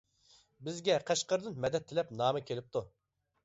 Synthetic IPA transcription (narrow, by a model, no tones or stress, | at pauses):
bɪzɡʲɛqʰæʃqəɾd̪ɨnmɛd̪ɛt̪ʰːɪlɛpnɑːmɨkʲʰelɪp̚t̪ʰu